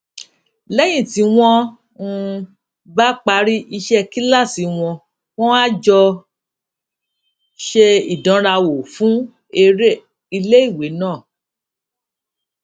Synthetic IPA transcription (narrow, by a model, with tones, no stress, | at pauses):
lɛ˦j̃ĩ˦˨ti˨˧˦w̃ɔ̃˦ | n̩˧ | ba˦k͡pa˧˦ɾi˦ʔi˧ʃɛ˦ki˦la˦˨si˨˦w̃ɔ̃˧ | w̃ɔ̃˦wa˦d͡ʒɔ˧ | ʃe˧i˨dã˨˦ɾa˧wo˨fũ˨˦ | e˧ɾe˦ | i˧le˦i˦˨we˨˦nãː˦˨